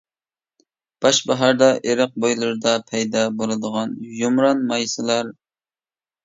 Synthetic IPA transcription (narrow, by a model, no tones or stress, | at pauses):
b̥ɑʃbɑɦɑɾd̪ɑʔeɾəq̚bojlˠɨɾɨd̪ɑpʰɛjd̪ɑbolˠɨd̪əʁɑnjumɾɑnmɑjsɨlˠɑɾ